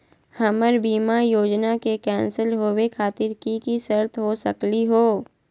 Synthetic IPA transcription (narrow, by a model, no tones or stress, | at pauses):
hɐməɾbiːmajoːd͡ʒnakekɛ̃ːnsəlɦoːwekʰaːt̪ɪɾkikisəɾt̪ʰɦosɐkliɦoː